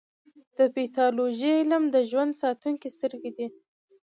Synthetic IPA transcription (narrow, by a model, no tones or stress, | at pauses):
d̪̥əpit̪ɑloʒiɪlamd̪əʒwand̪sɑt̪uŋkist̪əɾɡed̪i